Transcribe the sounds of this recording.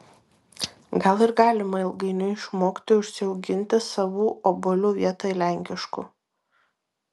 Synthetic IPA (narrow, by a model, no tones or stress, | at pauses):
ɡɐlˠɪɾɡɑːlʲɪmɐɪlˠɡɐɪnʲʊɪʃmoːkʲt̪ʲojuʊʃʲsʲɪɒʊɡʲɪnʲˑt̪ʲɪsɐʋuːʔobɔlʲuːʋʲiɛt̪ɐɪlʲæˑŋʲkʲɪʃkṵː